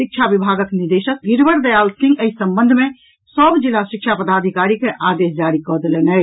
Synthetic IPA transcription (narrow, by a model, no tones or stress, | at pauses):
ʃik̚t͡ʃʰabibʱaɡəkniɾd̪eʃək̚d̪iɾbəɾd̪əjaːlsĩŋɡəisəmbə̃nd̪ʱmẽ | səbd͡ʒilaʃikʃʰapəd̪ad̪ʱikaɾikeʔad̪esd͡ʒaɾikɔd̪elenɛ